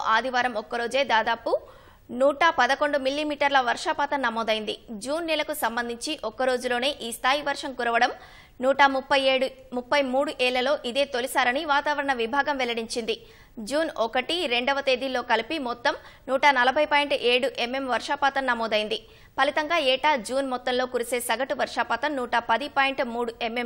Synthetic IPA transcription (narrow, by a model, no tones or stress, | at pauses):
ʔaːd̪ʱiʋaːɾɐmɔkːɐɾo̞ːd͡ʒe̞ːd̪aːd̪aːpu | nuːʈaːpɐd̪ɐko̞ɳɖumilːimiːʈɐɾlɐʋɐɾʂaːpaːt̪ɐnnɐmɔːd̪ɐjind̪id͡ʒuːnːɛlɐkusɐmbɐnd̪ʱiɲt͡ʃiʔɔkːɐɾo̞ːd͡ʒulo̞ːne̞ːʔiːst̪ʰaːjiʋɐɾʂɐmkuɾɐʋɐɽɐm | nuːʈɐmupːɐjeɽumupːɐjmuːɽuʔɛːɭːɐlo̞ːʔid̪e̞ːt̪o̞lisaːɾɐniʋaːt̪aːʋɐɾɐɳɐʋibʱaːɡɐmʋɛlɐɽiɲt͡ʃind̪i | d͡ʒuːnɔkɐʈiɾe̞ɳɖɔʋɐt̪eːd̪iloːkɐlipimɔt̪ːɐmnuːʈaːnɐlɐbʱɐjpaːjɳʈʔe̞ːɽuʔemːe̞mʋɐɾʂaːpaːt̪ɐmnɐmɔːd̪ɐjind̪i | pɐlit̪ɐŋɡaːɛːʈaːd͡ʒuːnmɔt̪ːɐnlo̞ːkuɾise̞ːsɐɡɐʈuʋɐɾʂaːpɐt̪ɐmnuːʈapɐd̪ipaːjiɳʈmuːɽuemem